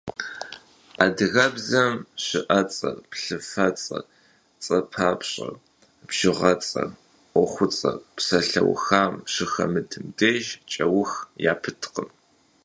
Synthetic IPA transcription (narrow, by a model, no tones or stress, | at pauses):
aːdɨɣɐbzɐmɕɪʔɐt͡sʼɐrpɬɨfɐt͡sʼɐ̰ | t͡sʼɐpʰaːpʰɕʼɐ̰r | bʒ̥ɪʁɐt͡sʼɐ̰ | ʔʷɔχʷʊt͡sʼɐ̰psɐɬɐ̰wxaːmɕɨxɐ̰mɨdʰɨmdeːʒt͡ʃʼɐwʊxjaːpʰɨtʰqəm